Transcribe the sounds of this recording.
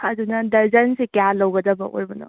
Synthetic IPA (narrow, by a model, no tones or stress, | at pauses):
ɐdunɐdɐɾzɐnsekjalɐwɡɐdɐbɐ̰ʔo̰ɾbɐnɐ̰